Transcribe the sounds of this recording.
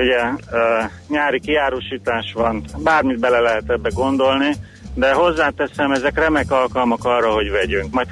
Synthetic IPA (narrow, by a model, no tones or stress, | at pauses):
uɟɛː | ɲaːɾikiaːɾoːʃiːt̪aːʃʋɒnbaːrmid̪̚bɛlɛlɛɦɛt̪ɛbːɛɡo̞nd̪o̞lni | d̪ɛɦo̞zːaːt̪ɛsɛmɛzɛkrɛmɛkɒlkɒlmɒkɒrːɒɦo̞ɟʋɛɟyŋkmɒjt̪